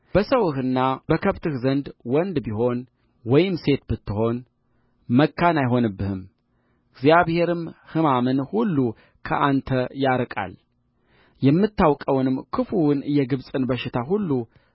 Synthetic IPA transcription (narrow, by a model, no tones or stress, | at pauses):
b̥əsəwɨhɨnːabəkʰəβt̪ʰɨhzənd̪wɔnd̪biɦo̞n | wɔjɪmse̞t̪bɨt̪ːɨɦo̞n | məkːanajɦo̞nɨbːɨhɨm | ɨɡzjaβhe̞ɾɨmhɨmamɨnhulːu | kʰə̰ʔant̪ʰəjaɾkʼa̰l | jɛmːɨt̪ʰːawkʼəwnɨmkʰɨfuwnjɛɡɨβsʼɨnbəʃɪt̪ʰaɦulːu